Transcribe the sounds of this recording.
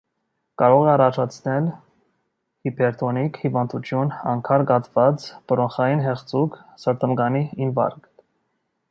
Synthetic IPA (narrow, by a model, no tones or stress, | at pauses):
kɑɾɔʁɛɑrɑt͡ʃʰɑt͡sʰnɛl | hipʰɛɾt̪ʰɔnikhivɑnd̪ut͡ʃʰjunɑ̰ŋkʰɑɾɡɑt̪vɑt͡sbəɾɔnχɑjinɦɛχt͡suksəɾt̪əmɡɑniimvɑ̰ɾk